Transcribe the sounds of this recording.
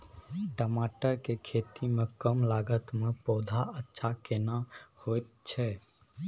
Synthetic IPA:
ʈəmaːʈəɾkekʰeːt̪imẽkəmlaːɡət̪mẽpɔːd̪ʱaətːʃʰakenahot̪t͡ʃʰɛ

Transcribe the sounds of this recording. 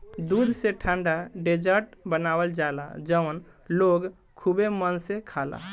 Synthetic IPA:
d̪ud̪ʱsẽʈʰãɳɖaɖed͡ʒəɾʈbənabəld͡ʒala̰d͡ʒəwn | loɡ | kʰubemənsẽkʰala̰

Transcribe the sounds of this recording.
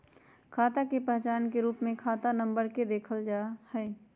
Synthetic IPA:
kʰaːt̪akepɛɦt͡ʃaːnkeɾuːpmẽkʰaːt̪anə̃mbəɾked̪eːkʰəld͡ʒaːhɛː

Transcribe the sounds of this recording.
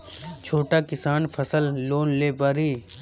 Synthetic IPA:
t͡ʃʰoːʈaːkɪsaːnpʰəsəlːoːnleːpaːɾiː

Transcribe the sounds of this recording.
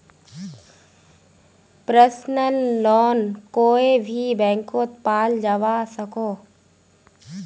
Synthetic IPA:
pɾəsnəlːɔːnkoːebʱibɛ̃ːŋkot̪paːld͡ʒəʋasəkoː

